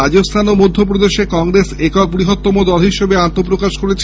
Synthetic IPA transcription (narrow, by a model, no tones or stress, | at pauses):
ad͡ʑost̪ʰanomod̪ʱːop̬ɾod̪eʃekɔŋɾesekɔk̚pɾiɦot̪ːomod̪ɔlɦiʃebeant̪op̬ɾokaʃkoɾet͡ɕʰ